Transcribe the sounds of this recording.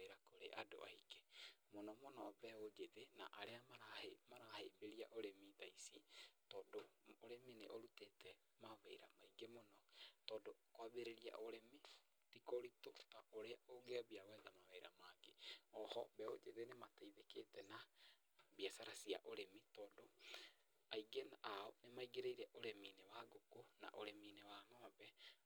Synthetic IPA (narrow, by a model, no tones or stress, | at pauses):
eiɾakoɾḛʔado̰ʔa̰ike̥monɔmonɔβɛod͡ʒeðenaʔaɾeamaɾahemaɾahejbeɾiaʔoɾemiðaisitɔːdoːɾemeneʔoɾutetɛ | maβeiɾamaiɡemonɔtɔːdokowaβeɾeɾia̰ʔoɾeme | tikoɾitotaʔoɾeaoɡeaβiaɣɛðamaβɛiɾa̰maɡeɔhɔbɛo̰d͡ʒeðenemataiðeketɛna | βiasaɾasia̰ʔoɾemitɔːdo | aiɡenaʔaonemaiɡeɾeiɾɛʔoɾeminewaɡokona̰ʔoɾeminewaːnɔabɛ